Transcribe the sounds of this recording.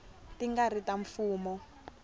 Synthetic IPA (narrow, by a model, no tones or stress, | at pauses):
tiŋɡaritaɱfuːmɔ